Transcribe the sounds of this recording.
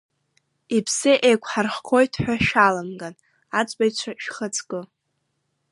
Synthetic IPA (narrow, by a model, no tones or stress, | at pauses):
ipʰsɨʔejkʷʰħarχkʰo̞jtʰħʷᶣaʃalamɡan | at͡sʷʼbajt͡ɕʷʰaʃᶣχət͡sʰʼkʼɨ